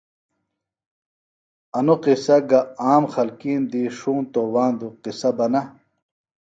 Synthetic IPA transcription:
ɐnuqisɐɡɐaːmxɐlkiːnd̪iːʂuːnt̪owaːnd̪uqisɐbɐnɐ

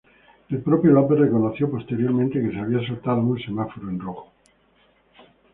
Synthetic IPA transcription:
elpɾopjolaperrekonoθjo̞po̞st̪e̞ɾjo̞ɾmẽnt̪eke̞seaβ̞iasoɾt̪aðounsemafoɾuenroxo

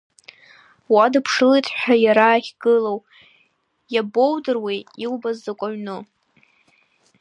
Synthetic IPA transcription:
wadɨpʰʂɨlejtʼʰħʷᶣajaɾaːχʲɡɨlow | jabowdɨrwiiwbazːakʷʼaɥnɨ

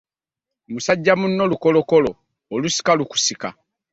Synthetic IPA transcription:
musaɟːamunːo̞luko̞lo̞ko̞lo̞ː | lusi̥kaluku̥sika

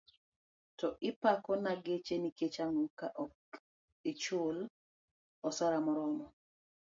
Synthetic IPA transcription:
tɔʔɪpakɔnaɡet͡ʃeniket͡ʃaŋɔkaʔɔk | et͡ʃʊl | ɔsaɾamɔɾɔnɔ

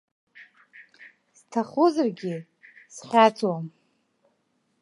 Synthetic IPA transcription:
stʰaχʊzarɡʲɪ | sχʲat͡sʰwam

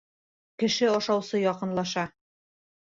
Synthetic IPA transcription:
kɘ̆ʃɘɒʃɑwsɤjɒqɤ̆nlˠɑʃɑ

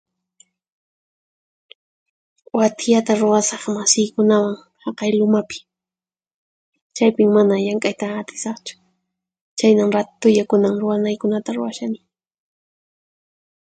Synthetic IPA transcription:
wat̪jat̪aɾʊwasɑχmasɪjkʊnawaŋ | hɑqɑjlʊmapɪ̥ | t͡ʃajpɪmːanajaŋkʼajt̪aːt̪ɪ̥sɑχt͡ʃʊ̥ | t͡ʃajnamɾat̪ʊjakʊnamɾʊwanajkʊnat̪aɾʊ̰waʃanɪ

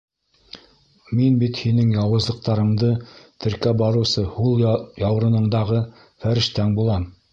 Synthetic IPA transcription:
minbit̪hinɘŋjɑwɤ̆zlˠɤ̆q̚t̪ɑɾɤ̆ɴd̪ɤt̪ʰɘ̆ɾkæbɑɾɤ̆wsɤhulˠjɑwɾɤ̆nɤ̆ɴd̪ɑʁɤ | fæɾɘ̆ʃt̪æŋbulˠɑm

